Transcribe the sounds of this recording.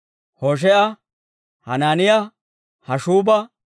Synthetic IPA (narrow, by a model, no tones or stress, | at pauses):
hoʃ̬ɛʔɐ | hɐnaːnɪjɐ | hɐʃuːbɐ